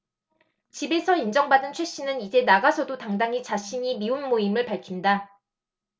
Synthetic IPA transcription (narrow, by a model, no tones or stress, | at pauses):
t͡ɕibe̞sʰʌind͡ʑʌŋbadɯnt͡ɕʰwe̞ɕ͈inɯnid͡ʑe̞naɡasʰʌdotaŋdaŋɦit͡ɕaɕʰiɲimiunmoimɯɭpaɭkʰinda